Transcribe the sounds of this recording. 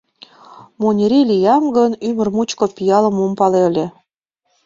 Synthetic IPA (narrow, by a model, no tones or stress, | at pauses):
monʲiɾilʲijɑmɡənymə̆rmut͡ɕkopijɑlə̆mompɑlelʲe